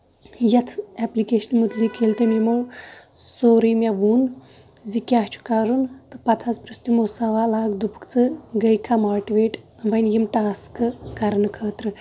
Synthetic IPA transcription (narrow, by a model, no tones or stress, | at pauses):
jɐt̪ʰɛplikeːʃənmud̪likʰeːlt̪ɐmimɐwsoːɾijmʲɐʋuːn | zikʲaːɦt͡ʃʰu̥kɐɾunt̪ɨpɐt̪ʰɐzpɾist̪imoːsɐʋaːlaːɡd̪upu̥kt͡sɨɡɐjkʰamaːʈʋeːʈ | ʋɐnjimʈaːskɨkɐɾɐnɨkʰəːt̪ɾɨ